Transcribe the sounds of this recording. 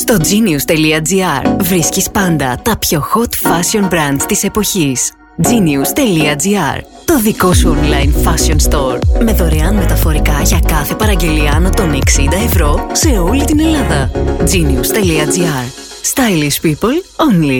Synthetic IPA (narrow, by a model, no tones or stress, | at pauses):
st̪o̞d͡ziniust̪e̞liɐd͡ziɐɾvɾiscispɐnd̪ɐt̪ɐpço̞xo̞t̪fɐsio̞nbɾɐnd̪t̪ise̞po̞çis | d͡ziniust̪e̞liɐd͡ziɐ̰ɾ | t̪o̞ðiko̞suonlɐjnfɐsio̞nst̪o̞ɾme̞ðo̞ɾe̞ɐnme̞t̪ɐfo̞ɾikɐʝɐkɐθe̞pɐɾɐɲɟe̞liɐːnɐt̪o̞ne̞ksind̪ɐe̞vɾo̞se̞o̞lit̪ine̞lɐðɐd͡ziniust̪e̞liɐd͡ziɐɾ | st̪ɐjlispipolonli